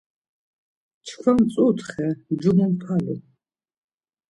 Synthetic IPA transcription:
t͡ʃʰkʷʰamt͡sʼut̪ʰχɛd͡ʒumumpʰalṵ

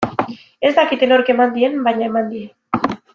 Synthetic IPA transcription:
e̞zt̪akit̪enoɾke̞mand̪ie̞nbajɲae̞mand̪ien

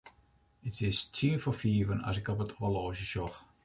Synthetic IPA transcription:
ɪtɪstʰĩːnfɔfiːvəna̰zɪkɔpətʰɔəlɔːʒəʃɔx

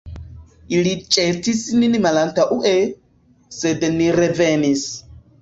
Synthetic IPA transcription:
ʔɪɾit͡ʃʼeːt̪ːisɪninmɐlɐnt̪ɐʔʊʔɛ | sɛd̪ɛnːiɾɛveːnis

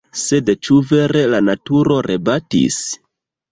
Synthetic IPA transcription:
se̞dt͡ʃuve̞ɾe̞lanatuɾo̞ɾʔebatḭs

